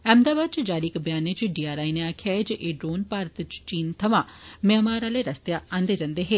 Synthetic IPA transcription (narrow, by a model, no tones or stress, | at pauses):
ɛ̃ːmd̪aːbaːd̪̚t͡ʃd͡ʒaːɾiːɪkbjaːnet͡ʃɖiːaːɾaːineaːkʰjaed͡ʒʔeːɖɾoːnpaːɾət̪t͡ʃt͡ʃiːnt̪ʰəʋãːmeːmaːɾaːleːɾəst̪jaːãːnd̪eːd͡ʒãnd̪eːɦeː